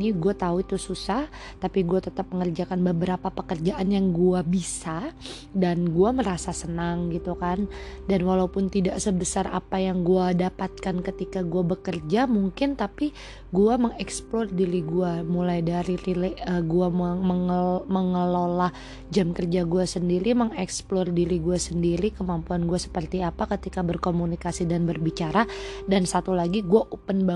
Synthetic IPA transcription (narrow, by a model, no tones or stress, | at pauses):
iɡuat̪auit̪ususah | t̪apiɡuat̪ət̪ap̚məŋərd͡ʒakanbəbəɾapapəkərd͡ʒaʔanjaŋɡuabisa | danɡuaməɾasasənaŋɡit̪ukandanwalaupʊnt̪idaʔsəbəsarʔa̰pajaŋɡuadapat̪̚kankət̪ikaɡuabəkərd͡ʒamuŋkɪnt̪api | ɡuaməŋɛksplɔrdiɾiɡuamulajdaɾiɾileəɡuaməməŋəlolah | d͡ʒamkərd͡ʒaɡuasəndiɾiməŋɛksplɔrdiɾiɡuasəndiɾikəmampuanɡuasə̥pərt̪iapakət̪ikabərkomunikasidanbərbit͡ʃaɾadansat̪ulaɡiɡuaʔupənba